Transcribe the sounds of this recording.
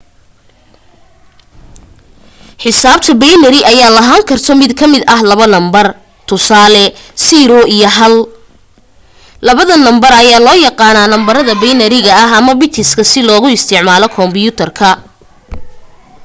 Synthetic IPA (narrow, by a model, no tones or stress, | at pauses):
ħɪsaːb̚t̪ʰɐbɛjnɐɾɪʔɐjaːlɐɦaːŋkʰɐrt̪ʰɔmɪd̪kʰɐmɪd̪ɐɦlɐβɐnɐmbɐr | t̪ʰʊsaːlɛsiɾɔijɐɦɐl | lɐβɐðɐnɐmbɐrɐjaːlɔːjɑqɑːnaːnɐmbɐɾɐðɐbɛjnɐɾɪɣɐɐɦɐmɐbɪt̪ʰɪskʰɐsɪlɔːɣʊɪst̪ʰɪʕmaːlɔkʰɔmbɪjʊt̪ʰɐrkʰɐ